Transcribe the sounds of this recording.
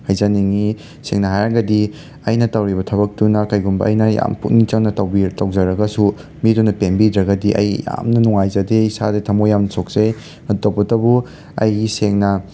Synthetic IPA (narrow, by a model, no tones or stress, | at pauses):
hajzaniŋi | seŋnɐɦajɾɐŋɡɐdi | ɐjnɐtɐwɾibɐtʰɐbɐk̚tunɐkɐjɡumbɐʔɐ̰jnɐja̰mput̚nit͡ʃɐŋnɐtɐwbitɐwzɐɾɐɡɐsu | midunɐpembidɾɐɡɐdiʔɐ̰jja̰mnɐnuŋajzɐdeisa̰dɐtʰɐmojamnɐsok̚zej | ɐtowpɐtɐbu | ɐ̰jɡiseŋnɐ